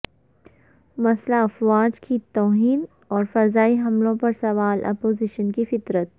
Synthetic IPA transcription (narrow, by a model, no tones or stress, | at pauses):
mɐslaɐfwaːd͡ʒkit̪ɔːɦiːn | ɔːɾfɐzaːiɦɐmlõpɐɾsɐʋaːlʔɐ̰poːzɪʃənkifɪt̪ɾət̪̚